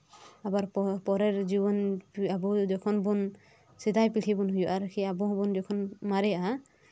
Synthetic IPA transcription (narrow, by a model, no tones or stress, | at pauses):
abaɾpɔpɔɾɛɹzibɔnabɔd͡ʒɔkʰɔnbun | sidajpiʈʰibɔnɦujɔʔaɾkʰiabɔɦbunzɔkʰɔnmaɾɛa